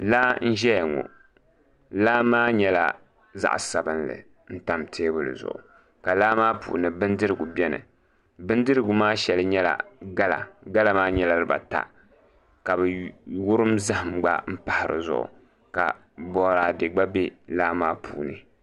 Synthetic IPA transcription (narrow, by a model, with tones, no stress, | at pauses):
la˦n̩˦ʒɛ˦ja˨ŋɔ̰˨ | laː˦maː˦ɲɛ˦la̰˨ | za̰˦ʔsa˨bɨ˦nlɨ̰˨ | n̩˦ta˨˦mtʰeː˦bʊ˦lɨ̰˨zʊ̰˨ʔʊ̰˨ | ka˨laː˦maː˦pṵː˨nɨ˨bɨ˦ndɨ˦ɾɨ˨ɡu˨bʲɛ˦nɨ̰˨ | bɨ˦ndɨ˦ɾɨ˦ɡʊ˨maː˦ʃɛ˨lɨ˦ɲɛ˦la̰˨ɡa˦la̰˨ɡa˦la˦maː˦ɲɛ˨la˦ɾɨ˦ba̰˨ta̰˨ | ka˨bɨ˨wʊ˦ɾɨ˦mza˦hɨ˨mɡ͡ba̰˦m̩˦pa˨hɪ˨ɾɨ̰˨zʊ̰˨ʔʊ̰˨ | ka̰˨ | bɔ˨˦ɾaː˨dɨ˨ɡ͡ba˦bɛ˦laː˦maː˦pʰuː˨nɨ˨